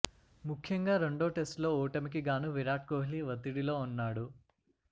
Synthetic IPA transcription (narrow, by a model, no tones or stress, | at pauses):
mukʰːjɐŋɡaːɾe̞ɳɖoːʈe̞sʈlo̞ːɔːʈɐmik̬iɡaːnuʋiɾaːʈ̚koːɦliʋɐt̪ːiɽilo̞ːunːaːɽu